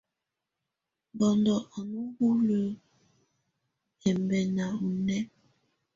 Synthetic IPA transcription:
bɔ˨ndɔ˨ʔa˨nu˦hu˦lə˦ | ɛ˨mbɛ˨na˨u˨nɛ˦

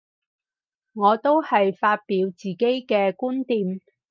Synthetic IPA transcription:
ŋɔː˨˧t̪o˥whɐ˨jfaː˧t̚piː˨˧wt͡siː˨ke˥jkɛː˧kuː˥nt̪iː˨m

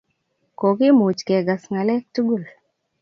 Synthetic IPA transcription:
ko˨ki˦mu˨t͡ʃke˨ɡa˨sŋa˨lɛ˦k̚tu˦ɡu˦˨l

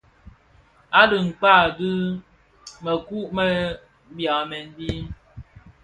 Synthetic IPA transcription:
a˦dɨ˨ŋ̩˨k͡pa˦˨dɨ˦ | mə˨ku˦ʔmə˦ | bja˨mɛ˨n˦bi˦

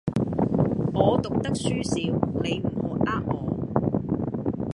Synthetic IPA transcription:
ŋɔː˨˧t̪ʊ˨k̚t̪ɐ˥k̚syː˥siː˨˧wne˨˧jm̩˨˩hʊ˨˥kʔaː˧k̚ŋɔː˨˧

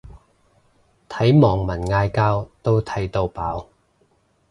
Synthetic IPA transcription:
t̪ʰɐ˨˥jmɔː˨˩ŋmɐ˨˩nŋaː˧jkaː˧wt̪o˥wt̪ʰɐ˨˥jt̪o˧wpaː˨˥w

